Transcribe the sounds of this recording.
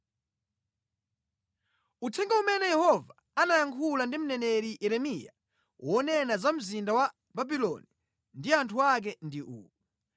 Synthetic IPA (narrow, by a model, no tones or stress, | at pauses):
utʰɛŋɡaumɛnɛjɛhɔva | anajaŋkʰulandim̩nɛnɛɾijɛɾɛmija̰ | wʔɔnɛnazam̩zindawa | babilɔ̰ni | ndiantʰuak̬ɛndiʔṵːu